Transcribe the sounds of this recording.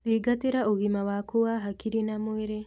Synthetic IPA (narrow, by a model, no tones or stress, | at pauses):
diɡateɾaʔoɣimawakowaɦakiɾinamoeɾe